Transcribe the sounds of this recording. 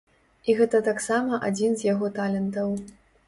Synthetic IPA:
iɣɛt̪ɐt̪aksamɐʔa̰d͡zʲinzjaɣɔt̪alʲɛnt̪ɐw

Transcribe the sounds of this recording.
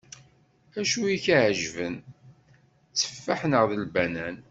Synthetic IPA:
æʃuiçaʕʒvən | t͡sːə̥fːaħnəʁðəlbænæn

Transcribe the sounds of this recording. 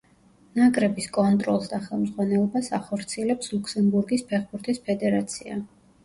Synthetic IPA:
nakʼɾɛbiskʼɔnt̪ʼɾɔlˠsd̪aχɛlˠmzʁwanɛlˠɔbasaχɔɾt̪sʰiɛlɛpslˠuksɛmbuɾɡispʰɛχbuɾt̪ʰispʰɛd̪ɛɾat̪sʰia̰

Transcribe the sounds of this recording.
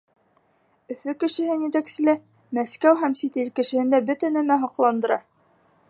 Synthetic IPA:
ɵ̆fɵkɘ̆ʃɘ̆hɘnjɘt̪æksɘ̆læ | mæskæwɦæmsit̪ilkɘ̆ʃɘ̆hɘ̆nd̪æbɵt̪ænæmæɦɑqlˠɑnd̪ɤ̆ɾɑ

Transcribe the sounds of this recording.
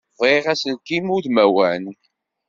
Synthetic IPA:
vˤeʁæsəlkimuðmæwæn

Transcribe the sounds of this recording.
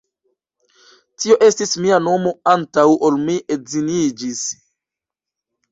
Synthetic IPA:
tio̞ʔe̞stismiano̞mo̞antawʔo̞lmiʔezinid͡ʒis

